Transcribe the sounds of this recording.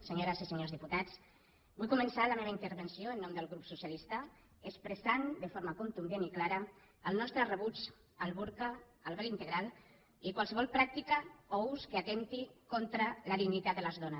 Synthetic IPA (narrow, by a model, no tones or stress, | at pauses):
seɲoɾəsiseɲozðiput̪at͡s | bujkumənsaləmeβaint̪əɾβənsioənːɔmd̪əlɣɾupsusijalist̪a | əspɾəsand̪əfoɾmakunt̪unb̪jeniklaɾəː | lˠnɔst̪ɾərəβut͡s | əlˠβuɾka | əlˠβɛlint̪əɣɾalˠ | ikwalˠsəβ̞ɔlˠpɾak̚t̪ikaɔuskəat̪ent̪ikont̪ɾələðind̪it̪at̪d̪ələzðonəs